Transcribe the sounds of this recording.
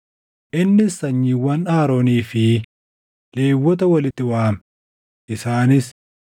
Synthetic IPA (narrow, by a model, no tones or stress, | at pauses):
ʔɪnːɪsɐɲːiwɐnaːɾoːniːfɪ | le̞ːwːɔt̪ɐwɐlɪt̪ːɪwaːm | ʔɪsaːnɪs